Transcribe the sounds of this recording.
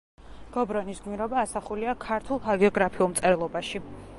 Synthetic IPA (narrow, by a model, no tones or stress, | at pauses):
ɡ̥ɔbɾɔnisɡmiɾɔbaːsaχuliakʰaɾt̪ʰulˠɦaɡiɔɡɾapʰiulˠmt̪sʼɛɾlˠɔbaʃi